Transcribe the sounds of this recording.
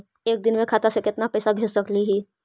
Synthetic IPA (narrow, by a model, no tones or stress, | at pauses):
eːk̚d̪ɪnmẽkʰaːt̪asekɪt̪napɛːsabʱeːd͡ʒsɐkliɦiː